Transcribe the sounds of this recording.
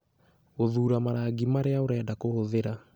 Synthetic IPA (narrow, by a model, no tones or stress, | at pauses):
oðuːɾamaɾaɡimaɾeaoɾɛːdakohoðeɾa